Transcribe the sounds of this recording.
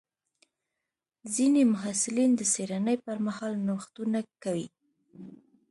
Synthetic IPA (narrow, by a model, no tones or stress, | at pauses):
zinemʊɦasɪlind̪əseɾanəjpəɾmahɑlnoxt̪unakawi